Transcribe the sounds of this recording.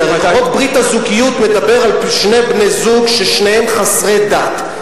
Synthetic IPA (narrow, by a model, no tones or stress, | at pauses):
ʁaɡaot̪̚bʁitazukijut̪me̞d̪ape̞ʁalʃne̞bnezuɡʃeʃnehemχasʁe̞d̪at̪